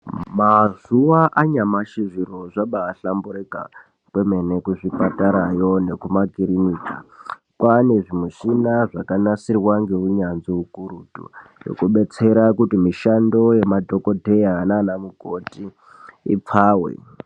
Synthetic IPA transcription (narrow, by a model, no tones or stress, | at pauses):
mazuwaʔaɲamaʃiʐiɾo̞ʐaɓaːɬambuɾeka̰ | kweme̞nekuʐipataɾajo̞ne̞kumakiɾiniːta̰ | kwane̞ʐimuʃinaʐakanasirwaŋɡeɦuɲanziukuɾuːtṵjo̰kuɓe̞t͡se̞ɾakutimiʃando̞jemadʱoko̞dʱejananamuɡʱotḭː | p͡faːwḛ